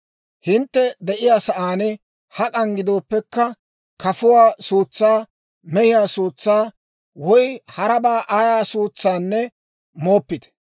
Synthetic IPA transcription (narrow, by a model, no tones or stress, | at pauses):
hɪnt̪ːɛd̪ɛʔɪjaːsɐʔaːnɛ | hɐkʼɐŋɡɪd̪o̞ːpːɛkːɐ | kɐfʊwaːsuːt͡sːaː | mɛhɪjaːsuːt͡sːaː | wɔjhɐɾɐbaːʔaːjaːsuːt͡sːaːnːɛ | mo̞ːpːɪt̪ɛ̥